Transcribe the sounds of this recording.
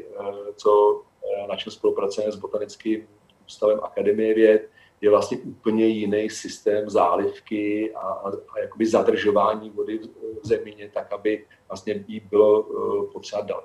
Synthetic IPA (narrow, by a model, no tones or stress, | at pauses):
t͡so̞ | nat͡ʃɛlspo̞lupɾat͡sovanɛzbo̞t̪anɪt͡skiːm | uːst̪avɛmʔa̰kadɛmɪjɛvjɛt̪̚ | jɛvlast̪ɲɛʔuːpl̩ɲɛjɪnɛjsɪst̪ɛːmza̰ːlɪfkɪajakobɪzadr̩ʒo̞vaːɲiːvo̞dɪzɛmɪɲɛt̪akabɪ | vlast̪ɲɛjibɪlo̞pot̪r̥ɛad̪da̰l